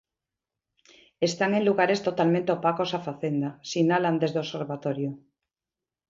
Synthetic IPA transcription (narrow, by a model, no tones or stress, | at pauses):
est̪aŋe̞nluɣaɾe̞st̪ot̪almẽnt̪eopakosafaθend̪asinaland̪e̞zðeoseɾβat̪oɾjo